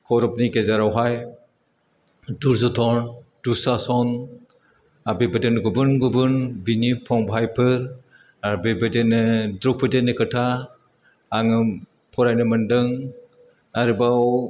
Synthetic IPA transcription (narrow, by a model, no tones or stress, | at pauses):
kʰɔɾɔp̚niɡezaɾawɦaj | duɾzutʰɔnd̥usasɔn | abibɯdenɡubɯnɡubɯnbinipʰɔŋbʱajpʰɯɾ | aɾbibɯdenɯdɾɔk̚pʰɯdenɯkʰɯtʰaː | ŋɯ | pʰɔɾajnɯmɯndɯŋ | aɾibaw